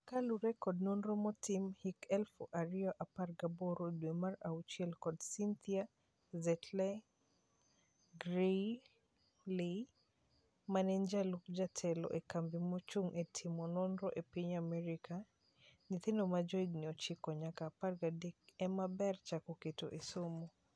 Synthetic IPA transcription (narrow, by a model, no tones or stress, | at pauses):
kaluɾɛkɔd̚nɔnɾɔmɔtimhikɛlfoʔaɾiɔʔaparɡaboɾodwemaɾaut͡ʃiɛlkɔdsint̪ia | zɛtʰlɛ | ɡɾe | li | manɛnd͡ʒaluk̚d͡ʒatʰɛlɔ̰ʔekambimɔt͡ʃuŋʔetʰimɔnonɾɔʔepiɲamɛɾikʰa | nit̪ɪndomad͡ʒɔidniɔt͡ʃikɔɲakaːparɡadek̚ɛmabɛrt͡ʃakoketo̰ʔesomo